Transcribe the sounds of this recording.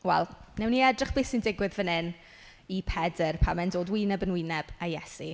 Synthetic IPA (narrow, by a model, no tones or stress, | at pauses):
wɛ̰lˠnɛwniɛdrɪχb̥lˠiːsindɪɡwɪðvənɪn | ipʰɛdərpʰamɛndoːdwɪnɛbənwɪnɛb̥ajɛsi